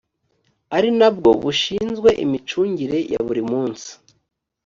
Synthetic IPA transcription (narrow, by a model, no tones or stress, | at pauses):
aɾinabɡo̞̰βuʃiːnzɡwe̞ʔḭmit͡ʃuːɲɟiɾe̞ja̰βuɾimuːnsi̥